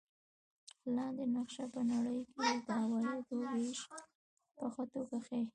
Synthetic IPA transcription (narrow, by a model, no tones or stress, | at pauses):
lɑnd̪enaqʃapənaɽəjked̪əawɑjik̪oɾeʃ | pəxat̪okaxe